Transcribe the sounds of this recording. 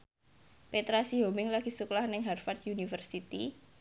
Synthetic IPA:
pet̪ɾasiɦomɪŋlaɡ̥isuklahnɪŋɦarfat̪junifərsit̪i

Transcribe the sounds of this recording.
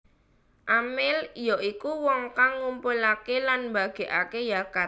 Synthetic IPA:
ʔamɪljɔʔikuwɔŋkaŋːumpʊlakelanmba̤ɡ̥e̤ʔakejakar

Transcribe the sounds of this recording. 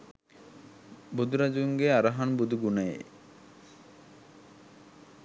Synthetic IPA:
bud̪uɾad͡ʒuŋɡeaɾaɦanbud̪uɡunajḛ

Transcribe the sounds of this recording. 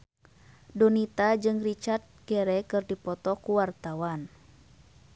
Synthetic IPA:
donit̪ad͡ʒɨŋrit͡ʃart̪̚ɡɛɾɛkɨrdipɔt̪ɔkuwart̪awan

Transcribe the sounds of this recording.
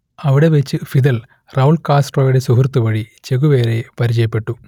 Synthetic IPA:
ɐʋiɽe̞ʋet͡ɕːɨfid̪ɐl | rɐulkaːsʈrojuɽe̞suɦurt̪ːuʋɐɻit͡ɕe̞ɣuʋeːɾe̞pɐɾit͡ɕɐjɐpːe̞ʈːu

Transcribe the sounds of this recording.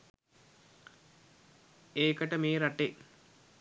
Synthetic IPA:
eːkəʈəmeːɾaʈe

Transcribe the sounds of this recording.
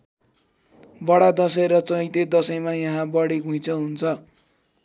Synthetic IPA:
bʌɽad̪ʌsʌeɾʌt͡sʌ̃j̃t̪ed̪ʌsʌjmajʌɦãbʌɽiɡʱũj̃t͡sʰʌɦunt͡sʰʌ

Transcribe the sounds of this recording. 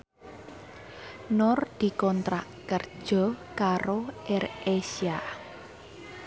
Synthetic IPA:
nɔrd̪̥i̤kɔnt̪ɾaʔkərd̥ʒ̥ɔ̤kaɾoʔɛresia

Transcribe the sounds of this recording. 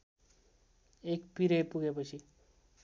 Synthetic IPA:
ekpiɾeʈpuɡepʌt͡sʰi

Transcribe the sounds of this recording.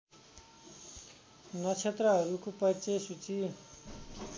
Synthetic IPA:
nʌt͡sʰet̪rʌɦʌɾukopʌrt͡sesut͡si

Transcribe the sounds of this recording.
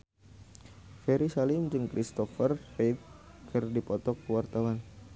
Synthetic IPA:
fɛɾisalɪmd͡ʒɨŋkɾʔist̪ɔfərpet̪̚ | kʰɨrdipɔt̪ɔk̚əwart̪awan

